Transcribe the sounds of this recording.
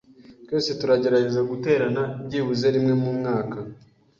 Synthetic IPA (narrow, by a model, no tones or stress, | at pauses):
twoːse̞tuɾaɟe̞ɾaɟe̞zaɡute̞ːɾanaibɟiːβuze̞ɾimŋe̞mumŋaːka